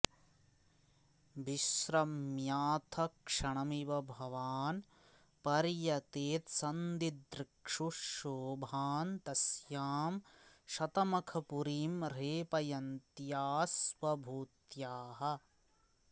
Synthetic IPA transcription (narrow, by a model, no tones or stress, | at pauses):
ʋiʃɾɐmjaːt̪ʰɐkʂɐɳɐmiʋɐbʱɐʋaːn | pɐɾjɐt̪eːt̪sɐnd̪id̪ɾɪkʂuʃoːbʱaːnt̪ɐsjaːmʃɐt̪ɐmɐkʰɐpuɾiːmɾeːpɐjɐnt̪jaːsʋɐbʱuːt̪jaːɦɐ̆